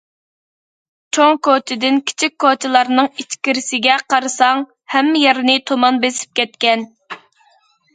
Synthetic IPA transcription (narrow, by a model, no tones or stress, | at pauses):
t͡ʃʰoŋkʰot͡ʃʰɪd̪ɪnkʲʰi̥t͡ʃʰik̚ʲkʰːot͡ʃʰilˠɑɾnɨŋit͡ʃkʲiɾɪsɪɡʲɛqɑɾɨsɑŋ | hɛmːɪjɛɾnɨt̪ʰomɑnbesɪ̥p̚kʲʰɛt̪̚kʲɛn